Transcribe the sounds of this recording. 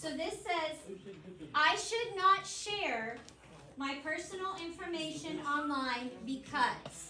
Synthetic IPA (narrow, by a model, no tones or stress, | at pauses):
soʊðɪsɛz | ʔaɪʃɨdⁿnətʃɛɹ | maɪpʰɜ˞sənl̩ˠɪ̃ɱfə˞meɪʃɨ̃nɑ̃nlãɪ̃nbɨkʰʌz̥